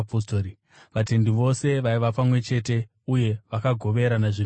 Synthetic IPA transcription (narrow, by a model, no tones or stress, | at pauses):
postoːɾi | ʋate̞ndiʋo̞se̞ʋaiʋapamwe̞t͡ʃe̞te̞ | uje̞ʋakaɡʱo̞ʋe̞ɾanaʐi